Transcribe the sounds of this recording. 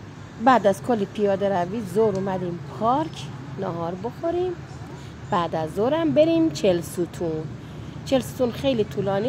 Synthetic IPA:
bæd̪æz̥kʰolːipʰijɒːd̪eɾæviːzoɾumæd̪iːmpʰɒɾkʰnɒɦɒːɾbo̞xoɾiːm | b̥æːd̪æzːoɾæmbe̞ɾimt͡ʃʰelsut̪ʰun | t͡ʃʰelsut̪ʰuːnxe̞jlit̪ʰulɒːni

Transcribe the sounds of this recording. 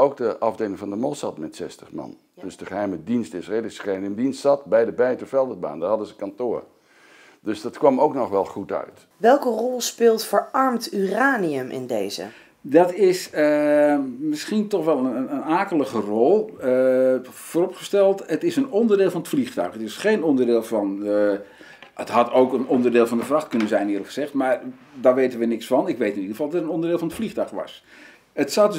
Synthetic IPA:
owk̚dəʔɑvdeːlɪŋvɑndəmɔsɑtmɛtsɛstəχmɑ̰n | d̥əsdəχəɦɛjmədinstɪsredələsχɛjɪmdinstsɑt̚bɛjdəbɛjətufɛlˠdəba̰ːndərhɦɑdəzəkɑntʊːr | dɵsdɑtkʋɑmowknɔχʋɛlˠχutœ̰ɥt | ʋɛlˠkərɔlˠspɪːlˠtfəɹɑɹmtyraːniəmʔɪ̰ndejzə̰ | dɑtɪsə | mɪsχintɔχʋɛlˠənənənaːkəlˠəχərɔlˠə | foːrɔpχəstɛlˠtətɪsənɔndərdɪːlˠfɑnətfliχtœ̰ɥχətɪsχejnɔndərdɪːlˠvɑn | ətɦɑtowkənɔndərdɪːlˠvɑndəfrɑχtkɵnənzɛjnɪːləkχəzɛχtmaːɹ | daʋejtənʋənɪksfɑnɪkʋejtɪnidəχəvɑlˠdɑtətənɔndərdɪːlˠvɑnətfliχtœɥxʋɑ̰s | ətsɑd

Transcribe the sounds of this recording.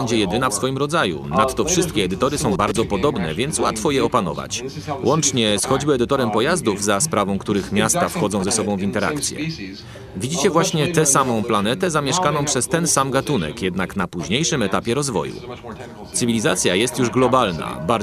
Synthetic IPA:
ɛɲd͡ʑɛjɛd̪ɘnafsfɔjimɾɔd̪zajṵnat̪ːɔfʂɘst̪̚kʲɛɛd̪ɘt̪ɔɾɘsɔ̃w̃baɾd̪zɔpɔd̪ɔbnɛ̰vʲjɛnt̪swa̰t̪fɔjɛɔpanɔ̰va̰t͡ɕ | wʔɔnt͡ʂɲɛsxɔd͡ʑbɘɛd̪ɘt̪ɔɾɛmpɔjazd̪uvzaspɾavɔ̃w̃kt̪uɾɘxmʲjast̪afxɔd̪ɔ̃w̃zɛsɔbɔ̃w̃vʲint̪ɛɾa̰kt̪sʲjɛ̰ | vʲid͡ʑit͡ɕɛvwaɕɲɛt̪ɛsamɔ̃w̃plan̪ɛt̪ɛzamʲjɛʂkanɔ̃w̃pʂɛst̪ɛnsamɡat̪unɛ̰kjɛd̪naknapuʑɲejʂɘmɛt̪apʲjɛɾɔzvɔ̰jṵ | t̪sɘvʲilʲiza̰t̪sʲjajɛst̪juʐɡlɔbalna̰ba

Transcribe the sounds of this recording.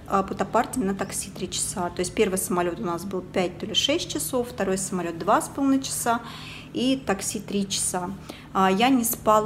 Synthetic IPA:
pʊt̪ɐpartʲɪnət̪ɐksʲit̪ɾʲit͡ɕɪ̥sat̪o̞ɪsʲtʲpʲe̞rvɨjsəmɐlʲo̞t̪ʊnasbɨlˠpʲæt̚ʲt̪olʲɪʂɛsʲt̚ʲt͡ɕɪso̞fːt̪ɐɾo̞jsəmɐlʲo̞t̪̚d̪vaspɐlˠnɨt͡ɕɪ̥sa | it̪ɐksʲit̪ɾʲit͡ɕɪ̥sa | janʲɪspalˠ

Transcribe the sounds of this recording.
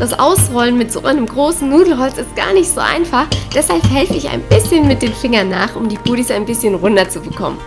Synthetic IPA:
d̥asʔa̰ʊsʁɔlənmɪtz̥o̰ːʔaɪnəmɡʁoːsn̩nuːdl̩ɦɔlt͡sɪstɡ̥a̰ːɐnɪçtz̥o̰ːʔa̰ɪnfaχd̥ɛshalphɛlfəɪça̰ɪnb̥ɪsçənmɪt̚d̥eːnfɪŋɐnːaːχʔʊmdiːbuːɾisaɪnbɪsçənʁʊndɐt͡subəkʰɔ̰mən

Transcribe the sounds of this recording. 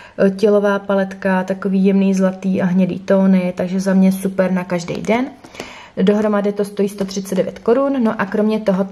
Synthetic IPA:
cɛlo̞vaːpalɛt̪kat̪ako̞viːjɛmniːzlat̪iːʔaɦɲɛdḭːt̪o̞ːnɪt̪aɡʒɛzamɲɛsupɛɾnakaʒdɛ̰jdɛn | do̞ɦɾo̞madɪt̪o̞st̪ojiːst̪o̞t̪r̝̥ɪt͡sɛdɛvjɛ̰t̪ko̞ɾunːo̞ʔakɾo̞mɲɛt̪o̞ɦo̞

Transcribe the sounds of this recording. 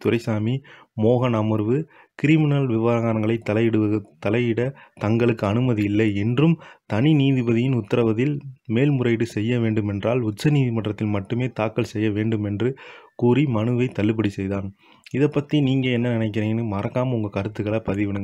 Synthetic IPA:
t̪ʊɾɐɪsaːmi | moːɣɐnɐmɐɾʋɯ | kɪɾɪmɪnɐlʋɪʋaːɣaːnɐŋɡɐɭɐɪt̪ːɐlɐɪɽɯɐt̪ːɐlɐɪjɪɽɐt̪ɐŋɡɐɭɯkːɯɐnɯmɐðijɪlːɐɪɛndrɯmt̪ɐniniːðɪbɐðɪjɪnʊt̪ːɐɾɐʋɐðɪlmeːlmʊrɐɪɽɯsɛjːɐʋeːɳɖɯmɛndraːlʊt͡ʃːɐniːðɪmɐʈrɐt̪ːɪlmɐʈːɯmeːt̪aːkːɐɭsɛjːɐʋeːɳɖɯmɛndrɯkuːrimɐnɯʋɐɪt̪ɐlːɯp̬ːɐɽisɛjðaːn | ɪðɐpːɐt̪ːiniːŋɡɐɛnːɐnɪnɐɪk̬ːɪɾeːnɯmɐɾɐkːaːmɐʊŋɡɐkɐɾɯt̪ːɯɣɐɭɐpɐðɪʋɪɽɯŋɡɐɐ

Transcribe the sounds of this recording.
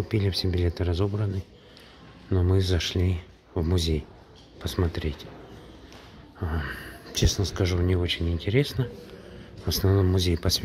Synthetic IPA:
ʊpʲilʲɪfsʲebʲɪlʲe̞t̪ɨɾɐzo̞bɾənːɨ | nomɨzɐʂlʲi | vmʊzʲej | pəsmɐt̪ɾʲetʲ | t͡ɕe̞snəskɐʐunʲɪo̞t͡ɕɪnʲɪnʲtʲɪɾʲe̞snə | vəsnɐvno̞mːʊzʲejpɐsʲ

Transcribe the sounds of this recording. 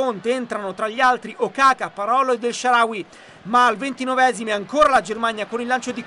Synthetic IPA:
ont̪eent̪ɾanot̪ɾaʎːialt̪ɾiʔokaːkapːaɾɔːled̪ːelʃaɾaːwi | maːlvent̪inɔvɛːzimeaŋkoːɾalad͡ʒermaɲjakonilːant͡ʃod̪i

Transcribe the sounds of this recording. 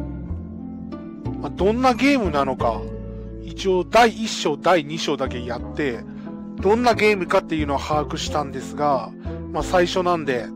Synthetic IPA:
mad̪õ̞nːaɡe̞ːmɯ̟nano̞ka̰ | it͡ɕio̞ːd̪aiiɕːo̞ːd̪aiɲ̟iɕo̞ːd̪ake̞jat̪ːe̞ | d̪̥õ̞nːaɡe̞ːmɯ̟kat̪ːe̞jɯ̟no̞ɡahaːkɯ̟ɕi̥t̪ãnd̪e̞sɨɡa | masaiɕo̞nãnd̪e̞

